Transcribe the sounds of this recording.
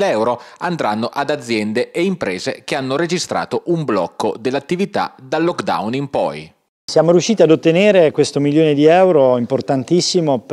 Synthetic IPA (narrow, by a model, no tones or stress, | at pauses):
lɛwɾoand̪ɾanːoʔad̪ad̪zːjɛnd̪eʔeimpɾḛːzekeanːoɾed͡ʒist̪ɾa̰ːt̪oʔumblɔ̰kːo̰d̪elːat̪ːivit̪a̰d̪alːɔkd̪a̰wnimpɔ̰j | sjaːmoɾjuʃːiːt̪iad̪ot̪ːeneːɾekwest̪omiljoːned̪iɛwɾoimport̪ant̪isːimop